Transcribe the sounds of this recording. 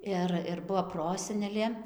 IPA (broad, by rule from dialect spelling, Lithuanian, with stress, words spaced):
ˈɪr ɪr ˈbuɔ ˈproːsʲɛnʲɛlʲeː